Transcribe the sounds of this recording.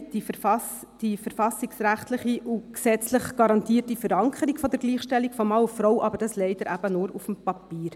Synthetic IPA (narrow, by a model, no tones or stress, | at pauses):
d̥iffɑsd̥ifəɾfɑsiksɾæχt̪ləχiʔuksɛt͡sləχɡ̥ɑɾɑntiːtifəɾɑŋkʰəɾikfɔd̪əɾɡliːχʃtɛlːikfɔmɑʊfɾɔwʔɑbəɾd̥ɑslɛɪd̥əɾæb̥ənʊːɾufm̩pɑpiːɾ